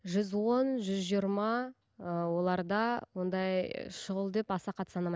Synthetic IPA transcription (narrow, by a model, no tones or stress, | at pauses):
ʒʏzwo̞nʒʏzʒijəɾmɑ | wo̞lˠɑɾd̪ɑwo̞nd̪ɑj̰ʃʊʁəlˠd̪e̞pɑsɑqʰɑt̪sɑnɑmɑ